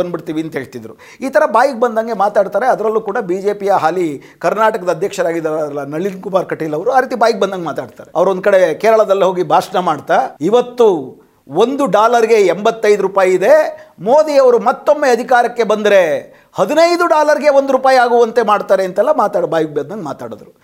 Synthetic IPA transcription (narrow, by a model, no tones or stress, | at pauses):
ɐnbiɽt̪iːʋiɐnt̪ɐɦeːɭt̪id̪ɾu | iːt̪ɐɾɐbaːjik̚bɐnd̪aːŋɡe̞maːt̪aːɖt̪aːɾe̞ɐd̪ɐɾɐlːuːkuːɽɐbiːd͡ʒe̞ːpijɐɦaːli | kɐɾnaːʈɐkɐd̪ɐːd̪ʱjɐkʂɐɾaːɡid̪ɾlːɐnɐɭinkumaːɾkɐʈːilːɐʋɐɾuaːɾiːt̪ibaːjik̚bɐnd̪aːŋɡemaːt̪aːɖt̪a̰ːɾeɐʋɐɾond̪kɐɽe̞keːɾɐɭɐd̪ɐlːɐɦo̞ːɡibʱaːʂnɐmaːɽt̪aiʋɐt̪ːu | o̞nd̪uɖaːlɐɾiɡe̞ːmbɐt̪ːɐjd̪uɾupaːjiid̪e̞mo̞ːd̪iɐʋɐɾumɐt̪ːo̞mːeɐd̪ʱikaːɾɐkːe̞bɐnd̪ɐɾe̞ | hɐd̪inɐjd̪uɖaːlɐɾiɡe̞o̞nd̪uɾupaːjaːɡuʋɐnt̪emaːɖt̪aːɾeɐnt̪ɛlːɐmaːt̪aːɽbaːjik̚bɐnd̪ɐŋɡemaːt̪a̰ːɽod̪ɾu